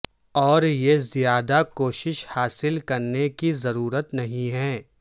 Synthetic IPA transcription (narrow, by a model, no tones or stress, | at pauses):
ɔːɾjezijaːd̪akoːʃɪʃhaːsɪlkɐɾnekizɐɾuːɾət̪nɐɦĩɦɛː